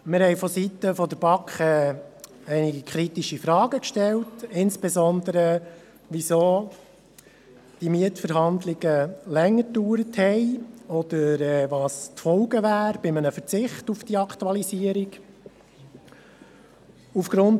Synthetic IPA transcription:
mɪɾhɛɪfɔsitəfɔd̪əɾb̥ɑkχɛ | ɛɪniɡikχɾitiʃifɾɑːɡəkʃtɛltɪnsb̥ɛzɔnd̪əɾə | ʋisoː | d̥imiətfəɾɦɑnd̪lɪɡəlɛŋːəduːɾəthɛɪɔd̥̪əɾɛːʋɑːst̪fɔlɡəʋæːɾb̥ɪmənəfət͡sɪχtufd̥iɑktuɑlisiəɾiɡ | ufɡ̥ɾʊnt

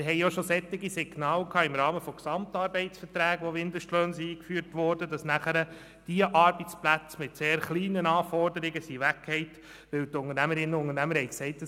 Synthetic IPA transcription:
ɪɦɛɪjoʃosɛt̪ːɪɡisɪɡnɑːlkʰɑːɪmɾɑːməfɔksɑmt̪ɑɾbɛɪt͡sfəɾtɾæːɡʋɔʋɪnd̪əʃtløːnsiiːkfyːɾtʋɔɾd̥ədɑsnæχəɾə | d̥iəʔɑɾbɛt͡splæt͡smɪtseːɾχliːnənɑːfɔrdəɾɪɡəsiʋækʰːhɛɪt | ʋɪwtʊŋəɾnæməɾɪnːəʊŋənæməɾhɛjksɛɪt̚d̥ɑ

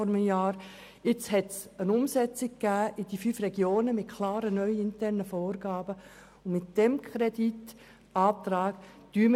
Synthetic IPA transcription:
ɔɾməjɑːɾ | ɪt͡shɛtsənʊmsɛt͡sɪkkːæːʔɪd̥ifyfɾɛɡjoːnəmɪtkʰlɑːɾənœʏɪntɛrnəfɔːɾɡ̥ɑːbə | ʊmɪt̚d̥ɛmkʰɾɛdit | ɑːt̪ɾɑːɡ̥d̥yːmə

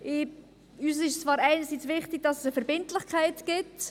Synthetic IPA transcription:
ʔɪ | yːs̬ɪʃt͡svɑːɾaɪnəɾsiːt͡svɪχtɪɡ̥̚d̥ɑsəsəfɛɾbɪntlɪχkʰaɪtɡ̥ɪt

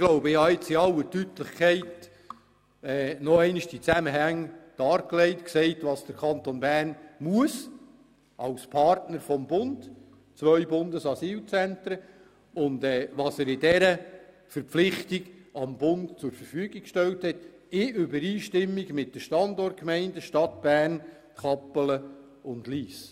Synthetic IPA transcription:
ɪɡ̥loʊbəɪhɑɪt͡sɪɑlːətytlɪχkʰɛɪt | ɛːnɔɛɪnɪʃd̥it͡sæməɦæŋd̥ɑːɾkleɪtksɛɪtʋɑːsd̥əɾkʰɑnt̪onbærnmuəs | ʔɑlspʰɑrtnəɾfɔmbʊnd̥ | t͡svœʏbʊndəsɑsiːlt͡sænt̪ɾə | ʊndɛːʋɑːsəɾɪdɛɾə | fəɾpflɪχtiɡ̥ɑmbʊndt͡sʊɾfəɾfyːɡɪk̚kʃtɛlthɛt | ɪʏbəɾiːʃtɪmːiɡmɪt̚d̥əʃtɑndɔrt̚kmɛɪndəʃtɑt̚b̥æːrn | kʰɑpələ | ʊndliːs

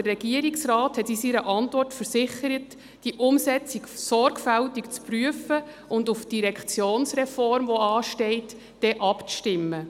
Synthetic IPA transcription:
dərːɛɡ̥iəɾiksrɑːthɛtisiɾəʔɑntʋɔrtfəɾsɪχəɾət | d̥iəʔʊmsɛt͡siksɔɾɡfæltikt͡spryəfə | ʊndufd̥iɾɛkχt͡sjoːnsɾɛfɔrmʋɔɑːʃtɛɪt | d̥ɛʔɑpʃtɪmːə

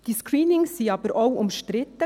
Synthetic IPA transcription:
d̥iskʰɹiːnɪŋsiːɑːb̥əɾoʊʊmʃtɾɪt̪ːə

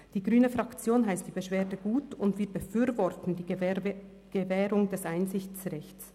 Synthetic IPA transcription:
d̥iːɡʁyːnəfʁakt͡sjoːnɦaɪstd̥iːb̥əʃv̥eːdəɡuːtʊndviːɐbəfyːɾvɔʁtn̩diː | ɡ̥əvɛːɾʊŋdɛsʔaɪnzɪçt͡sʁɛçts

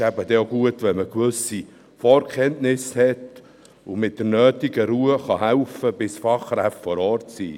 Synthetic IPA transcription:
æbəd̥ɛoɡuətʋɛlməkʋʏsi | fɔːɾkʰχɛntnɪshɛt | ʊmɪt̚d̥əɾnœːtiɡəɾuəχɑɦæwfəb̥ɪsfɑχɾæftfɔɾɔːɾtsḭː

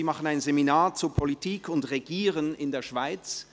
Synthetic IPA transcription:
iːmaχənaɪnzeminaːɐt͡suːɐpʰolitʰiːkʰʊntʁeɡiːʁənɪndeːɐʃv̥aɪt͡s

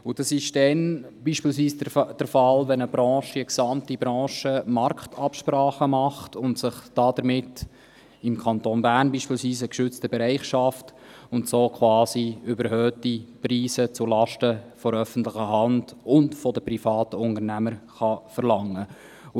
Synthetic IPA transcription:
ʊd̥ɑsɪʃd̥ɛnb̥iːʃpiːlsʋiːsd̥əɾfɑlʋɛnəbɾɑːʃəəksɑmtibɾɑ̃ːʃəmɑrktʰɑpʃpɾɑːχəmɑχtʊntsɪχd̥ɑːd̥əɾmɪt | ɪmkʰɑntoːnbæːrnbiːʃpiːlsʋiːsəkʃʏt͡stəbɛɾæɪχʃɑft | ʊntsoːkʰχʋɑːsiʏbəɾhøːtipriːsət͡sʊlɑʃtəfɔɾœfən̩tlɪχəɦɑnd̥ʊntfɔdəprifɑːtəʊnəɾnæməɾχɑfəɾlɑŋːə

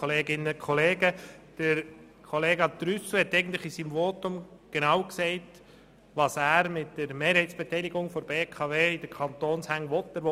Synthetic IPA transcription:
oleːɡɪnəkʰɔleːɡəd̥əɾ | kʰoleːɡɑt̪ɾysuhɛtːɛɪɡəntlɪχisiːmvoːtʊmɡ̥enɑwksɛɪt | ʋɑsæːɾmɪtdəɾmeːɾhɛɪtsb̥etɛɪlɪɡʊŋfɔɾb̥eːkʰɑveːɪdəɾkʰɑnt̪oːnshæŋʋɔtːəɾʋo

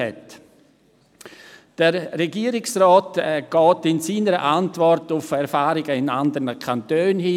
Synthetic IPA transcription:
ɛ̰t | d̥əɾːɛɡiːəɾɪksrɔːtɛɡ̥ɔːtɪnsiːnəɾə̰ʔantvɔrtʊfɛɾfaːɾɪɡəɪnandəɾnəkʰantøːnhiː

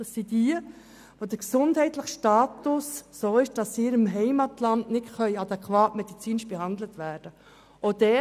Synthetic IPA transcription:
d̥ɑsːidiə | ʋod̥əksʊndhɛɪtləχʃtɑːtʊsːoːɪʃd̥ɑsɪɾɪmɦɛɪmɑtlɑndnɪtχœʏɑd̥̪ɛkʰwɑːtmɛd̥it͡siːnɪʃb̥ɛɦɑndlətʋæːɾd̥ə | od̥ɛ

